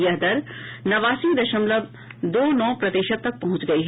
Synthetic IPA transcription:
jɐɦd̪ɐɾnɐʋaːsĩd̪ɐʃəmlɐb | d̪oːnɔ̃ːpɾɐt̪eːʃət̪ːɐk̚pɐɦʊ̃t͡ʃɡɐiɦ

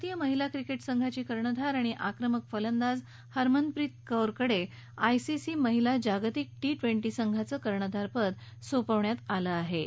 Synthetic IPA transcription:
t̪ijəməɦilakɾikeʈsəŋɡʱat͡ɕiːkəɾɳəd̪ʱaɾaɽ̃iʔakɾəməkfələnd̪ad͡z | həɾmənd̪̚pɾit̪̚kəwɾkəɽe | ajsisiməɦilad͡ʑaɡt̪ik̚ʈiʈʋeɳʈisəŋɡʱat͡səkəɾɳəd̪ʱaɾpəd̪sopəʋɳjat̪aləaɦe

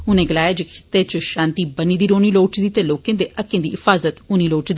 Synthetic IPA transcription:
ʊnẽːɡəlaːjaːd͡ʒekʰɪ̥t̪eːt͡ʃʃãːnt̪iːbəniːd̪iːɾoːniːloːʈd̪iːt̪eːloːkẽːd̪eːʔəkːẽːd̪ḭːɪfaːzət̪ʊniːloːʈd̪

